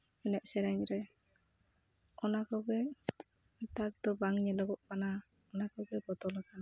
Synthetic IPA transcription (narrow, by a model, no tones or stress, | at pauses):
ɛnɛʔ̚sɛɾaɲɾɛj | ɔnakɔɡɛ | t̪ak̚d̪ɔbaŋɲɛlɔɡɔʔkana | ɔnakɔɡɛbɔt̪ɔlakana